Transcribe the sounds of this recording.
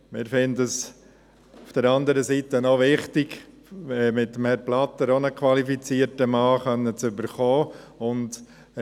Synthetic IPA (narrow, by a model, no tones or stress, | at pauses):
mɪːɾfɪndəs | ufd̥əɾɑndəɾəsiːtənoʋɪχtɪɡ | ɛmɪt̪ːəmhɛɾplɑt̪əɾonəkʰʋɑlifit͡siːəɾtəmɑːχœnːət͡sʏbəɾχoː | ʊnd